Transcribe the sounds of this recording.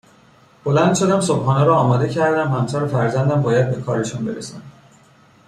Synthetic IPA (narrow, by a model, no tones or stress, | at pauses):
b̥o̞lænd̪̥ʃo̞d̪æmsobɦɒːnɛɾɒːmɒːd̪e̞cʰæɾd̪æmhæmsæɾofæɾzænd̪æmbɒːjæd̪̚be̞kʰɒːɾeʃunbe̞̰ɾesɑn